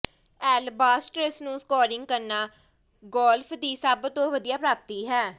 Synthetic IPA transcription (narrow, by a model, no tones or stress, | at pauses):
ɛːlbaːsʈɾesnũːskɔːɾɪŋɡ̚kəɾnaː | ɡɔːlpʰd̪iːsəbt̪õːʋəd̪ijaːpɾaːp̚t̪iːɦɛː